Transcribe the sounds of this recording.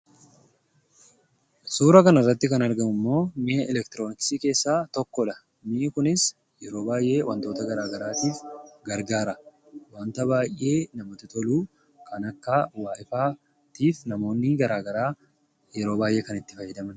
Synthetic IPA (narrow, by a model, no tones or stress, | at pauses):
suːɾɐkɐnɐrːɐt̪ːɪkɐnɐɾɡɐmʊmːo̞ːmɪɛlɛkt̪ɪɾoːnɪksiːke̞ːsːaːt̪ɔkːɔᶑɐ | miːʔkʊnɪs | jɛɾo̞ːbaːjʔe̞ːwʔɐnt̪o̞ːt̪ɐɡɐɾaːɡɐɾaːt̪iːfɡɐɾɡaːɾɐ | waːnt̪ɐbaːjʔe̞ːnɐmɔt̪ɪt̪ɔluː | kʰɐnɐkːɐwaːʔɪfaː | t̪iːfnɐmo̞ːnːɪɡɐɾaːɡɐɾaː | jɛɾo̞ːbaːjʔe̞ːkɐnɪt̪ːɪfɐjːɛd̪ɐmɐn